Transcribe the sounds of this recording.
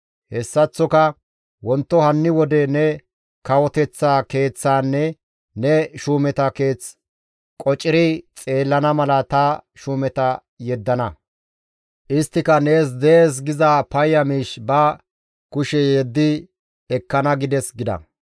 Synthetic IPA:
hɛsːɐt͡sːɔkɐ | wɔnt̪ːɔhɐnːɪwɔd̪ɛnɛ | kɐwɔt̪ɛt͡sːaːke̞ːt͡sːaːnːɛ | nɛʃuːmɛt̪ɐke̞ːt͡s | kʼɔt͡ʃʼːɪɾɪt͡sʼe̞ːlːɐnɐmɐlɐt̪ɐʃuːmɛt̪ɐ | jɛd̪ːɐnɐ | ʔɪst̪ːɪkɐne̞ːs̬d̪eeːs̬ɡɪzaːpɐjːɐmiːʃbɐ | kʊʃɛjɛd̪ːɪ | ɛkːɐnɐɡɪd̪ɛsɡɪd̪ɐ̰

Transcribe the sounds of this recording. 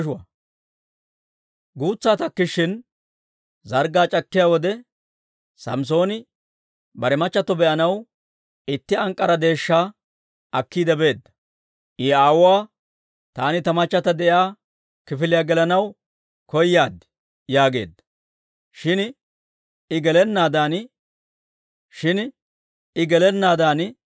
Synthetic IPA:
ʃʊa | ɡuːt͡sːaːt̪ɐkːɪʃːɪn | zɐɾɡaːt͡ʃʼɐkːɪjaːwɔd̪ɛ | sɐ̰ms̬o̞ːnɪ | bɐɾɛmɐt͡ʃːɐt̪ːɔbɛʔɐnɐw | ɪt̪ːɪɐŋkʼːɐɾɐd̪e̞ːʃːaː | ɐkːiːd̪ɛbe̞ːd̪ːɐ̥ | ʔɪaːwʊwaː | t̪aːnɪt̪ɐmɐt͡ʃːɐt̪ɐd̪ɛʔjaː | kɪfɪlɪjaːɡɛlɐnɐw | kɔjːaːd̪ɪ̥ | jaːɡe̞ːd̪ːɐ̥ | ʃɪn | ɪɡɛlɛnːaːd̪aːn | ʃɪn | ɪɡɛlɛnːaːd̪aːn

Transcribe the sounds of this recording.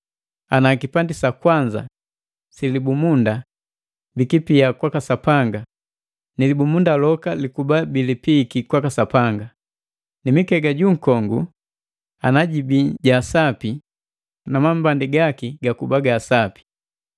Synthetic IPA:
anakipandisakwaɲd͡ʒa̰ | silibumunda | bikipiakwakasapaŋɡa | nilibumundalɔkalikubabilipikikwakasapaŋɡa | nimikɛɡaɟuŋ̩kɔŋɡu | anaɟibiɟaːsapi | namambandiɡakiɡakubaɡaːsapi̥

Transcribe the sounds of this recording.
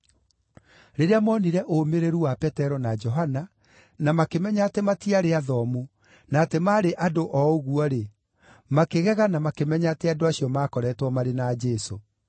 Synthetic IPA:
ɾeɾeamɔniɾɛʔomeɾeɾuwapɛtɛɾɔnad͡ʒɔɦana | namakemɛɲaːtematiaɾeaðɔmu | natemaːɾeʔadoʔɔoɣuɔɾe | makeɣɛɣanamakemɛɲatɛadoaɕiɔmaːkɔɾɛtwɔmaɾenaːd͡ʒɛso

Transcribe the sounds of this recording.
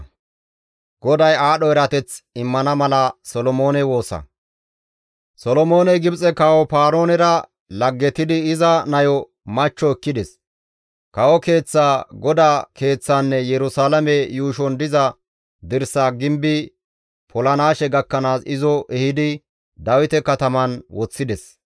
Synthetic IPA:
ɡ̥ɔd̪ɐjaːɗɔɛɾɐt̪ɛt͡sɪmːɐnɐmɐlɐsɔlɔmo̞ːnɛwo̞ːsɐ̰ | sɔlɔmo̞ːnɛɡɪbt͡sʼɛkɐwɔpaːɾoːnɛɾɐ | lɐɡːɛt̪ɪd̪ɪɪzɐnɐjɔ | mɐt͡ʃːɔɛkːɪd̪ɛs | kɐwɔke̞ːt͡sːaːɡɔd̪aːke̞ːt͡sːaːnːɛjɛɾʊsaːlɐmɛjuːʃɔnd̪ɪzɐ | d̪ɪɾsaːɡɪmbɪ | pʰɔlɐnaːʃɛɡɐkːɐnaːsɪzɔʔɛhɪd̪ɪ | d̪ɐwɪt̪ɛkɐt̪ɐmɐnwɔt͡sːɪd̪ɛs

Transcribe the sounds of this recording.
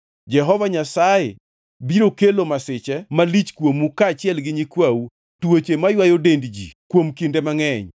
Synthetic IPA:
d͡ʒɛɦɔvaɲasaje | biɾokelomasɪt͡ʃɛmalit͡ʃkwomukaːt͡ʃɪɛlɡɪɲikwawu | twot͡ʃemajwajodendd͡ʒḭkwomkindemaŋɛɲ

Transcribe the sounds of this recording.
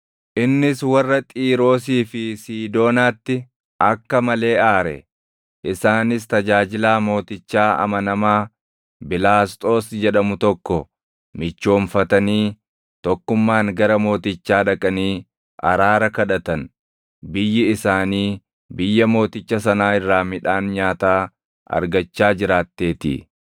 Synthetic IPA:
ʔɪnːɪswɐrːɐt̪ʼiːɾo̞ːs̬iːfɪsiːd̪o̞ːnaːt̪ːɪ | ʔɐkːɐmɐle̞ːʔaːɾɛ̰ | ʔɪsaːnɪs̬t̪ɐd͡ʒaːd͡ʒɪlaːmo̞ːt̪ɪt͡ʃːaːɐ̰mɐnɐmaː | bɪlaːst̪ʼo̞ːsd͡ʒɛᶑɐmʊt̪ɔkːɔ | mɪt͡ʃːo̞ːmfɐt̪ɐniː | t̪ɔkːʊmːaːŋɡɐɾɐmo̞ːt̪ɪt͡ʃːaːᶑɐkʼɐniː | ʔɐ̰ɾaːɾɐkɐᶑɐt̪ɐn | bɪjːɪɪsaːniː | bɪjːɐmo̞ːt̪ɪt͡ʃːɐsɐnaːɪrːaːmɪᶑaːnɲaːt̪aː | ɐ̰ɾɡɐt͡ʃːaːd͡ʒɪɾaːt̪ːe̞ːt̪ɪ̰

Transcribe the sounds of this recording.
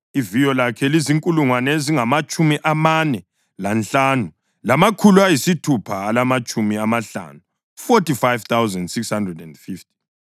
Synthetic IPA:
ivijɔlakʰɛliziŋkʼuluŋwanɛziŋamat͡ʃʼumiʔamanɛ | lanɬanu | lamakʰuluajisitʰupʰaːlamat͡ʃʼumiamaɬa̰nu | fotifajv̥t̪ʰawzɛndsikshandrɛdɛndfifti̥

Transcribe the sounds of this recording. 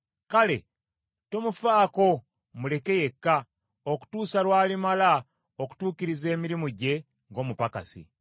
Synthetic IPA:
kale̞̰ | to̞mufaːko̞ | mule̞ke̞je̞kːa | oku̥tuːsalwaːlimala | oku̥tuːkiɾize̞ːmiɾimuɟe̞ | ŋɡo̞ːmupaka̰sḭ

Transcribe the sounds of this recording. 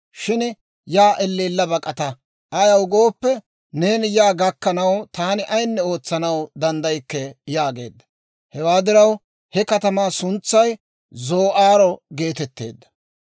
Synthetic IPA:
ʃɪn | jaːʔɛlːiːlːɐbɐkʼɐt̪ɐ | ɐjɐwɡo̞ːpːɛ | ne̞ːnjaːɡɐkːɐnɐwt̪aːnɪʔɐjnːɛo̞ːt͡sːɐnɐwd̪ɐnd̪ɐjkːɛjaːɡe̞̰ːd̪ːɐ̥ | hɛwaːd̪ɪɾɐw | hɛkɐt̪ɐmaːsʊnt͡sːɐj | zo̞ːʔaːɾɔɡe̞ːt̪ɛt̪ːe̞̰ːd̪ːɐ̥

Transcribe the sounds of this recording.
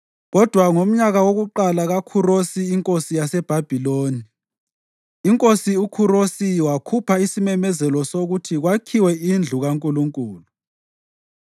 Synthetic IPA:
ɣɔd̥ʱwaŋom̩ɲaɣawoɣuǃalaɣakʰurosiːŋkʼosijasɛb̥ʱab̥ʱiloːni | ŋkʼosiukʰuɾosiwakʰupʰaisimɛmɛzɛlɔsoɣutʰiɣwakʰiwɛind͡ɮʱuɣaŋkʼuluŋkʼuːlu

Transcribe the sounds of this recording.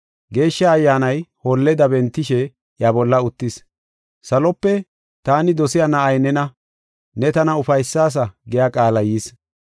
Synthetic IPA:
ɡe̞ːʃːɐːjːaːnɐjhɔlːɛd̪ɐbɛnt̪ːɪʃɛ | jabɔlːɐʊt̪ːɪs | sɐlɔpːɛ | t̪aːnɪd̪ɔsɪjanɐʔɐjnɛnɐ | nɛt̪ɐnɐʊfɐjsːaːs̬ɐɡɛjakʼaːlɐjiːs

